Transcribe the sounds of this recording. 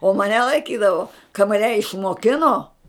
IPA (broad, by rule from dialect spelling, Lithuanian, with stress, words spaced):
oː mɐˈnʲɛ lˠɐɪˈkʲiːdɐʋoː kɐ mɐˈnʲɛ ɪʃmoːˈkʲɪnoː